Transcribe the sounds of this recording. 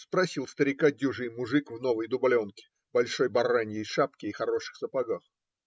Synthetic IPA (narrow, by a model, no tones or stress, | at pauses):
spɾɐsʲilˠst̪əɾʲɪkadʲuʐɨjmʊʐɨkvno̞vɨjd̪ʊbɐlʲo̞nkʲɪ̥ | bɐlʲʂo̞jbɐranʲjɪjʂap̚kʲɪːxɐɾo̞ʂɨ̥xsəpɐɡax